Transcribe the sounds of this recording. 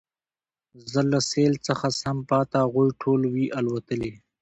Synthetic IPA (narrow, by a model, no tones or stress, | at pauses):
zələseːlt͡səxasɐmpɑːt̪aɣujʈʰoːlwiʔalwɐt̪əle